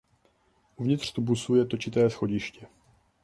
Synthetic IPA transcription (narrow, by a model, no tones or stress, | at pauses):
ʔuvɲɪt̪r̥t̪ubusujɛt̪o̞t͡ʃɪt̪ɛːsxo̞ɟɪʃcɛ